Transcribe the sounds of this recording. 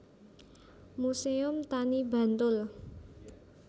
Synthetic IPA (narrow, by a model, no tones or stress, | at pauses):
museʊmt̪aniba̤nt̪ʊl